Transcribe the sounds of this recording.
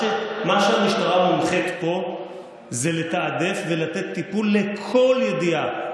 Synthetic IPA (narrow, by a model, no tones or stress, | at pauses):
emaʃeamiʃtaʁamulχet̪po̞ | zele̞t̪aːd̪e̞fve̞lat̪e̞t̪ːipulːe̞kʰo̞ljed̪ia